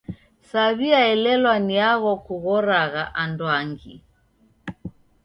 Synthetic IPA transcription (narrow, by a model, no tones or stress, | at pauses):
saβiaɛlɛlwaniaɣɔkuɣɔɾaɣaʔandwaŋɡi